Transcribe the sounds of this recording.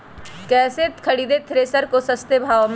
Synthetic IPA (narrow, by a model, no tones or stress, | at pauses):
kɛːset̪kʰɐɽiːd̪et̪ʰɾeːsəɾkosɐst̪ebʱaːʋm